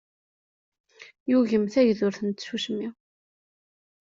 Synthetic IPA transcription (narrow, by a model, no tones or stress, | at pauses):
juʝəmθæʝðʊɾθənt̪suʃmi